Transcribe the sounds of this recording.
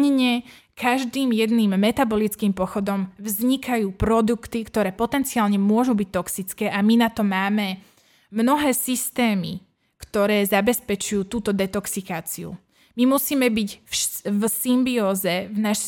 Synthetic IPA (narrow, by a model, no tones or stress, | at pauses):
ɲɲɛ | kʰaʒd̪iːmjɛd̪niːmːɛt̪abɔlit͡skiːmpɔxɔd̪ɔmvzɲikajuːpɾɔd̪ukt̪ikt̪ɔɾɛːpɔt̪ɛnt͡siaːlɲɛmʊɔʒubic̚t̪ɔksit͡skɛːʔaminat̪ɔmaːmɛ | mnɔɦɛːsist̪ɛːmḭ | kt̪ɔɾɛːzabɛspɛt͡ʃujuːt̪uːt̪ɔd̪ɛt̪ɔksikaːt͡siṵ | mimusiːmɛbicfvsimbiɔːzɛvnaʃ